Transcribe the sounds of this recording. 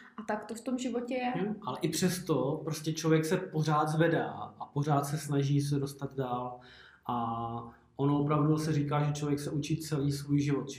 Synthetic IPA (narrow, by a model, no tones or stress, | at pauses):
ʔat̪akt̪oft̪omʒɪvocɛjɛʔalɛʔɪpr̝̥ɛst̪opɾoscʲɛt͡ʃlo̞vjɛksɛpo̞r̝aːd̪zvɛda̰ːʔapo̞r̝aːt̪sɛsnaʒiːs̬ɛdo̞st̪ad̪daːl | ʔa | ʔonoopɾavdusɛriːkaːʒɛt͡ʃlovjɛksɛʔut͡ʃit̪t͡sɛliːsvuːjʒɪvot̪ʒ